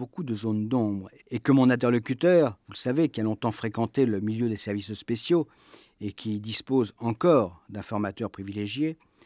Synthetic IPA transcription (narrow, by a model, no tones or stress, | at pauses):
bokud̪əzond̪ɔ̃bʁ | ekəmɔ̃nɛ̃t̪̬ɛʁlɔkʲyt̪œʁvuləsavekʲialɔ̃t̪ɑ̃fχekɑ̃t̪eləmiljød̪esɛʁvisspesjo | ekʲʰid̪ispozɑ̃kɔːʁd̪ɛ̃fɔʁmat̪œʁpχivileʒje